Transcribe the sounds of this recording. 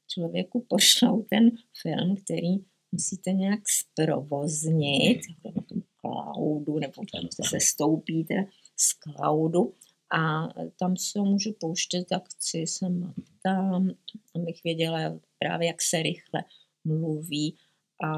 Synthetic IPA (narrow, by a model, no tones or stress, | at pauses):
t͡ʃlovjɛ̰kupoʃnowt̪ɛnfɪ̰lmkt̪ɛɾiː | musiːt̪ɛɲɛjakspɾo̰vozɲɪt̪jakoɛnat̪omkla̰wdunɛbot̪ɛsɛst̪owpiːt̪ɛa | skla̰wdu | ʔat̪amsɛɦomuːʒɛpowʃcɛt̪jakt͡sɪsɛmat̪amabɪxvjɛɟɛlapɾa̰ːvjɛjaksɛɾɪxlɛ̰ | mluviː | ʔa